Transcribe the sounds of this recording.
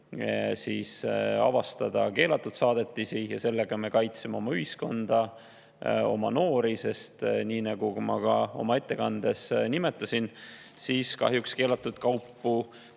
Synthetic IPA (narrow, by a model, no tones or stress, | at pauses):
siːsɑ̰vɑst̪ɑd̪̥ɑke̞ːlɑt̪ːˑud̪̥sɑːd̪̥e̞t̪ˑːisijɑse̞lːeɡ̥ɑme̞kɑjt̪semeo̞mɑyhisko̞nd̪̥ɑ | o̞̰mɑ̰no̞ːɾise̞st̪niːnɑɡ̥ukumɑ̰kɑo̞̰mɑe̞t̪ːe̞kɑnd̪̥e̞snimet̪ˑːɑsin | siːskɑ̰ɦjukske̞ːlɑt̪ːˑud̪̥kɑwpːu